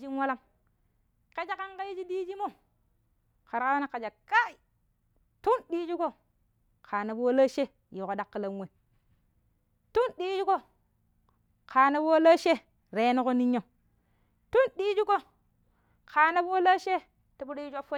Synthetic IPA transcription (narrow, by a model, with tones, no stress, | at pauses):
d͡ʒi˦nwa˦la˦m | ke˦d͡ʒa˦ka˦ŋka˦ji˦d͡ʒi˦di˦d͡ʒi˦mo˦ | ka˨ɾka˦wa˦na˦ka˨d͡ʒa˨ka˦i˨ | tu˦nɗi˦d͡ʒi˦ko˦ | kʰa˨na˨bwo˦la˦ʃe˦ | ji˨ko˨˦da˦kːə˨la˦nwe˨n | tu˦nɗi˦d͡ʒi˦ko˦ | kʰa˨na˦bwo˦la˦ʃe˦ | ɾe˨˦no˦ko˦ni˦ɲa˦˨ | tu˦nɗi˦d͡ʒi˦ko˦ | kʰa˨na˦bwo˦la˦ʃe˦ | ti˨bu˦dji˦d͡ʒʷa˦fo˦